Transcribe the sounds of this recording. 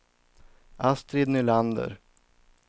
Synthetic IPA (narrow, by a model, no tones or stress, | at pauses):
ʔast̪ɾɪd̪nʏland̪ə̰ɾ